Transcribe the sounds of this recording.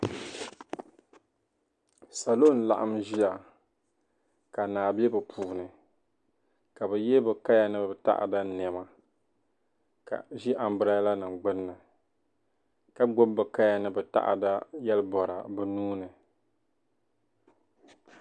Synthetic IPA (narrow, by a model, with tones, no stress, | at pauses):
sa˨lo˦˨n˨la̰˨ʔa˦mʒi˦a˨ | ka˨naː˨bi˦ɛ˦bɨ˨pʰuː˨nɨ˨ | ka˨bɛ˨jɛ˦bɛ˨ka˦ja˦˨nɨ˦bɛ˨ta̰˦ʔa̰˨da˦nɛ˨ma˨ | ka̰˨ʒi˦ʔa˨m˦bɨ˦ɾa˦jla˦nɨ˨ɡ͡bɨ˦nːɨ˨ | ka˦ɡ͡bo˦bbɨ˨ka˦ja˨nɨ˦bɛ˨ta̰˦ʔa̰˨da˦jɛ˦lbɔ˨ɾa̰˨bɛ˨nuː˦nɨ˨